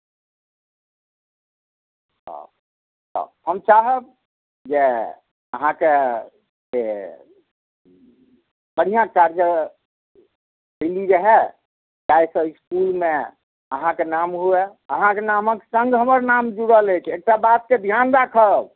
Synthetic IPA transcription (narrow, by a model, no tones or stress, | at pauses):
ɔ̰ | t̪ɔ̰həmt͡ʃaɦəb̚ | d͡ʒe | əɦãke | d͡ʒe | bəɽ̤ijãkaɾd͡ʒəɾ | əɪliɾəɦɛ | d͡ʒajsə̃iskulme | əɦãkenamɦueəɦãkenamə̃ke̥sə̃ŋɡɦəməɾnamd͡ʒuɽələjt͡ʃʰek̚ʈabat̪̚ked̪ʱjanɾakʰəb